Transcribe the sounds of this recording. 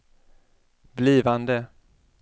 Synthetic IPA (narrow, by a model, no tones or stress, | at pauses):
bliːvand̪ə